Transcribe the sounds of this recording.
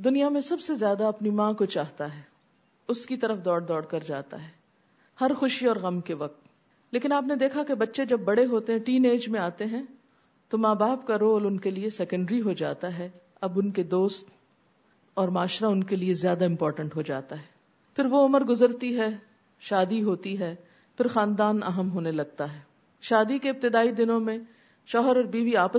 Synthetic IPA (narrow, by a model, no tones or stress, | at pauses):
d̪ʊnijamẽsɐbsezjaːd̪aɐpnimãːkot͡ʃaːɦt̪aɦɛː | ʊskit̪ɐɾəfd̪ɔːɽd̪ɔːɽkɐɾd͡ʒaːt̪a̰ɦɛː | hɐɾxʊʃiɔːɾɣɐmkeʋɐk̚t̪ | leːkɪnaːpned̪eːkʰakebɐtːʃed͡ʒɐbːɐɽeɦoːt̪eɦɛ̃ʈiːneːd͡ʒmẽaːt̪eɦɛ̃ | t̪omaːbaːbkaɾoːlʊnkeliesɛkə̃ɳɖɾiɦod͡ʒa̰ːt̪aɦɛ | ɐbʊnked̪oːst̪ | ɔːɾmaːʃɾaʊnkeliezjaːd̪aɪ̃mpɔːɾʈə̃ɳʈɦod͡ʒa̰ːt̪aɦɛː | pʰɪɾʋoʊməɾɡʊzəɾt̪iɦɛː | ʃaːd̪iɦoːt̪iɦɛː | pɪɾxãːnd̪aːnɐ̰ɦəmɦoːnelɐɡ̚t̪aɦɛː | ʃaːd̪ikeɪb̚t̪ɪd̪aːid̪ɪnõmẽ | ʃɔːɦəɾɔːɾbiːʋiaːpə